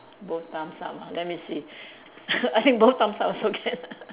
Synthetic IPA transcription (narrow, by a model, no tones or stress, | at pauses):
boft̪ãmsamalɛt̚misi | ajt̪ĩŋk̚boft̪ãmsãmasoɡʰɛn